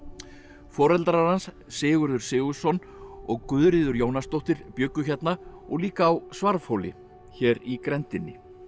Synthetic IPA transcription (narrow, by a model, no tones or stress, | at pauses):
fɔːɾɛlt̪ɾaɾansːɪːɣʏɾðʏɾ̥sɪːɣʏsɔn | ɔɣkʏðɾɪðʏɾjoːwnast̪owht̪ɪɾpjʏːkːʏçɛt̪naɔɣliːkaːwsvaɾfowlɪ̰ | çɛːɾikɾɛnt̪ɪnːɪ̰